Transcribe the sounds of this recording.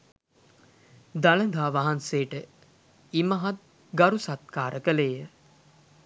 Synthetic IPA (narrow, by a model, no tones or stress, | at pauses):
d̪aləd̪ʱaːʋaɦanseːʈə | imɐɦat̪̚ | ɡaɾusat̪̚kaːɾʔəkəleːjə